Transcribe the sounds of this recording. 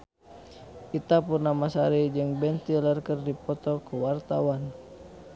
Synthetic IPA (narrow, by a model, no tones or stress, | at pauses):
ʔit̪apurnamasaɾid͡ʒɨŋbɛnt̪ilərkərdipɔt̪ɔkuwart̪awan